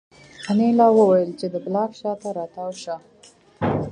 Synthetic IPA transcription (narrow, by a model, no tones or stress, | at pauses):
anelɑwəwajəlt͡ʃed̪əblɑfʃɑt̪aɾɑt̪awʃa